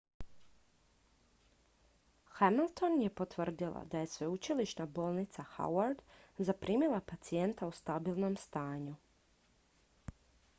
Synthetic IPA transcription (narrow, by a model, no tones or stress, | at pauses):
xamilˠt̪o̞nje̞po̞t̪ʋr̩d̪ilˠa̰d̪aje̞sʋe̞ut͡ʃiliʃnabo̞ːlˠnit̪saxa̰waɾd̪zapɾʔiːmilˠapat̪sije̞nt̪aust̪abilˠno̞mst̪aːɲu